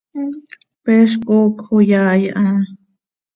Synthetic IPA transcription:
peʃ̬kʼokʰojaːjaʔã

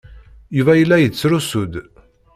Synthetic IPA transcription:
juvæjəlːæjət͡sːɾusud̪

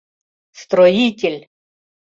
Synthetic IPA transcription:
st̪ɾɔjitʲɪlʲ

